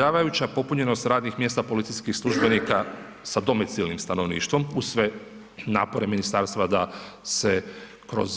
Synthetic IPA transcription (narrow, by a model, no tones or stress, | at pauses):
aːʋajut͡ɕapo̞puɲe̞no̞st̪ɾaːd̪nixmjest̪apo̞lit̪siskixslˠuʒbe̞nika | sad̪o̞mit̪silnimst̪ano̞ʋnḭːʃt̪ʋo̞musʋe̞ | na̰ːpo̞ɾe̞minist̪aɾst̪ʋad̪ase̞ | kɾo̞̰z